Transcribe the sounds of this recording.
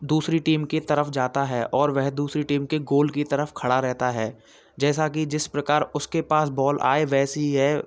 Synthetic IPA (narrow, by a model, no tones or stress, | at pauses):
d̪uːsɾiʈiːmket̪ɐɾəfd͡ʒaːt̪aɦɛːʔɔːɾʋɛɦd̪uːsɾiʈiːmkeɡoːlkit̪ɐɾəfkʰɐɽaɾɛɦt̪aɦɛː | d͡ʒɛːsakid͡ʒɪspɾɐkaːɾʊskepaːsbɔːlʔa̰ːeʋɛːsiɦɛː